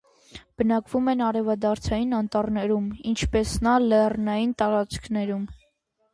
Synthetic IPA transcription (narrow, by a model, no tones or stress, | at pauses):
b̥ənɑkvumɛnɑɾɛvɑd̪ɑɾt͡sʰɑjinɑnt̪ɑɾnɛɾumint͡ʃʰpɛsnɑlɛrnɑjint̪ɑɾɑt͡skʰnɛɾum